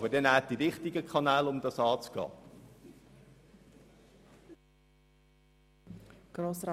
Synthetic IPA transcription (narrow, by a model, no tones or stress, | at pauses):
bədɛnæːd̥ivɪχtɪɡəkʰɑnæːlʊmd̪ɑsɑːt͡sɡ̥ɑ̰ː | ɡ̥ɾoːsɾ